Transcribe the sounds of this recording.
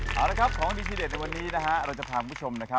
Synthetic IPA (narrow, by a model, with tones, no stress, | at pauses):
ʔaː˨˩la˦˥kʰa˦˥p̚kʰɔː˩˦ŋdiː˧t͡ɕ̪ʰiː˧de˨˩na˧jwa˧nːiː˦˥na˦˥kʰa˦˥ɾa˧wt͡ɕa˨˩pʰaː˧ku˧˩mpʰt͡ɕʰo˧mna˦˥kʰa˦˥